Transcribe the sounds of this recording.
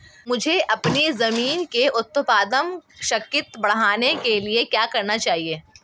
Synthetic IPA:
mʊd͡ʒʱeʔɐpnizɐmiːnkeʊt̪ːəpaːd̪əmʃɐkjɪt̪bɐɽ̤aːnekeliekjaːkɐɾnat͡ʃaːɦieː

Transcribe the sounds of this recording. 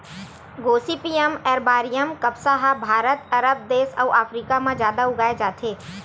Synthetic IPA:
ɡoːsiːpiːemɛːɾbaːɾijəmkɐbsaɦabʱaːɾət̪ɐɾəb̚d̪eːsɐːʔaːfɾiːkamãzjaːd̪aʊɡaːed͡ʒaːt̪ʰeː

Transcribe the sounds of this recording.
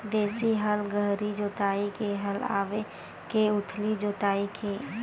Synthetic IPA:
d̪eːsiɦəlɡəɦɾid͡ʒoːt̪aːikeɦəla̰ːʋe | keʊt̪ʰlid͡ʒoːt̪aːikʰeː

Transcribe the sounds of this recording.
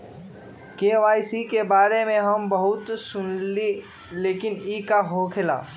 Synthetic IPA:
keːʋaːjsikebaːɾemẽɦəmbəɦʊt̪sʊnli | leːkɪnikaɦokʰela̰ː

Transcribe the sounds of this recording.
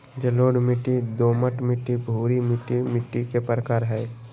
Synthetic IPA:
d͡ʒɐloːɽmɪʈːid̪oːməʈmɪʈːibʱuːɾimɪʈːimɪʈːikepɾəkaːɾɦɛː

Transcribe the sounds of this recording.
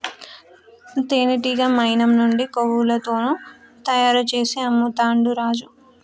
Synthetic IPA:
t̪eːniʈ̬iɡaːmɐjnɐmnuɳɖikowulɐt̪o̞ːnuː | t̪ɐjaːɾɐt͡ʃe̞ːseɐmːut̪aːɳɖuɾaːd͡ʒu

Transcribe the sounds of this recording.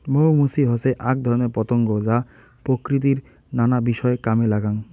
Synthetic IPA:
mowmusiɦoseʔak̚d̪ʱɔɾoneɾpɔt̪oŋɡod͡ʑa | pɾokɾit̪̬iɾ | nanabiʃɔekamelaɡaŋ

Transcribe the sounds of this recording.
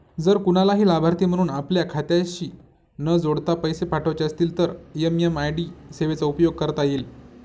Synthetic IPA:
d͡zəɾkuɽ̃alaɦiːlabʱaɾt̪iːm̤əɽ̃uːnapljakʰat̪jaɕiː | nəd͡zoɽt̪apəjsepaʈʰəʋat͡ɕeəst̪iːlt̪əɾjəmjəmajɽiːseʋet͡saupjoɡ̚kəɾət̪ajeːl

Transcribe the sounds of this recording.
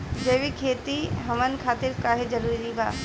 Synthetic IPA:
d͡ʒeːʋikʰeːt̪iɦɐmənkʰaːt̪ɪɾkaːɦed͡ʒɐɾuːɾiiba̰ː

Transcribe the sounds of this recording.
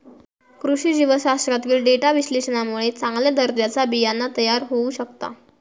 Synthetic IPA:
kɾuɕiːd͡ʑiʋəɕast̪ɾat̪ʋiːlɖeʈaʋiɕleɕənamuɭet͡saŋɡljad̪əɾd̪jat͡sabijanːat̪əjaɾɦouɕəkt̪a̰

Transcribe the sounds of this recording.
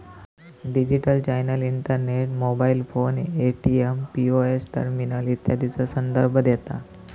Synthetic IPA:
ɖid͡ʑiʈəlt͡ɕajnəliɳʈəɾneʈmobailfoneʈiempioesʈə̰ɾminəlit̪jad̪ʱit͡səsənd̪əɾbʱəd̪jɛt̪a̰

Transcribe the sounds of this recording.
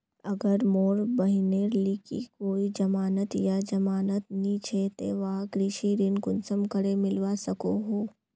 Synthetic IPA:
ɐɡəɾmoːɾbəɦɪneɾlikḭkoːid͡ʒɐmaːnət̪jad͡ʒɐmaːnət̪nĩt͡ʃʰet̪ḛʋakɾɪʃiɾɪnkʊnsəmkəɾemɪlʋasɐkoɦoː

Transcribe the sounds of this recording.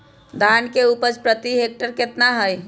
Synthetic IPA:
d̪ʱaːnkeuːpəɾt͡ʃpɾət̪iɦeːk̚ʈəɾkɪt̪naɦəj

